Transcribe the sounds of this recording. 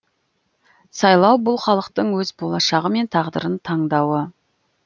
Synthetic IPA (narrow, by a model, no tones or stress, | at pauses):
sɑjlˠɑwbʊlˠχɑlˠəqt̪əɴwɵzbolˠɑʃɑʁəme̞nt̪ʰɑʁd̪ə̰ɾənt̪ʰɑɴd̪ɑwə